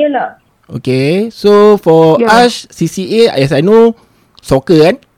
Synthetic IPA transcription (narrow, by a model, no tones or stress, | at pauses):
əla | o̰kesofɔasːisieɛs̬ajno | sɔkəɛ̃n